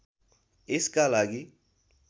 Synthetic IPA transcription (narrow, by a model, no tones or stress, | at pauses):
eskalaːɡi